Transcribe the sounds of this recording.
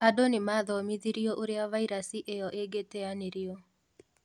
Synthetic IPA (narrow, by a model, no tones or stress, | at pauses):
adonemaðɔmiðiɾiɔʔoɾeavaiɾasiʔejɔʔeɡetɛaneɾiɔ